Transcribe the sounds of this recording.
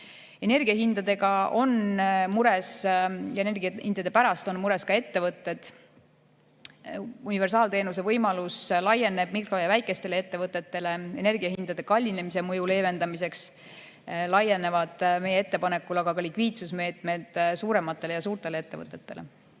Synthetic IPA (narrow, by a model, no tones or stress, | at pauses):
e̞ne̞rɡ̥iɑɦind̪̥ɑd̪̥e̞ɡɑo̞nmuɾesjɑenerɡihind̪ɑd̪̥e̞pæɾɑst̪o̞nmuɾe̞skɑe̞t̪ːe̞vɤt̪ːˑe̞d̪̥ | unive̞rsɑːlt̪e̞ːnus̬e̞vɤjmɑluslɑje̞nːe̞b̥mikro̞jɑvæjkˑːe̞st̪e̞le̞e̞t̪ːe̞vɤt̪ːˑe̞t̪ːe̞le̞e̞ne̞rɡiɑɦind̪̥ɑd̪̥e̞kɑlʲːine̞mis̬e̞mɤjule̞ːve̞nd̪̥ɑmise̞ks | lɑje̞ne̞vɑd̪̥me̞jee̞t̪ːe̞pɑne̞kːˑulɑɡ̥ɑkɑlikviːt̪susme̞ːt̪ˑme̞d̪̥suːɾe̞mɑt̪ːˑe̞lejɑsuːrt̪e̞lee̞t̪ːe̞vɤ̰t̪ːˑe̞t̪ːe̞̰le